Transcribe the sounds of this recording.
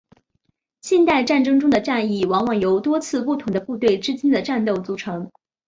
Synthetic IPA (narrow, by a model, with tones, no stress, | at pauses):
ɕjɛ˥˧nt̪a˥˧ɪʈ͡ʂa˥˩nʈ͡ʂɤ˥ŋʈ͡ʂʊ˥ŋd̪ə˨ʈ͡ʂa˥˧ni˥˩wɑ˧˥ŋwɑ˨˩ŋjo˧˥ʊt̪wɔ˥t͡sʰɹ̩˥˧pu˥˩t̪ʰʊ˧˥ŋd̪ə˧pu˥˧t̪we˥˩ɪʈ͡ʂɻ̩˥t͡ɕi˥nd̪ə˨ʈ͡ʂa˥˧nt̪o˥˩ʊt͡su˧˥ʈ͡ʂʰɤ˧˥ŋ